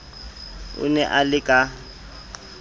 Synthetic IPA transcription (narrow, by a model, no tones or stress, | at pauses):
ʊ̰nɛʔalɪkʼa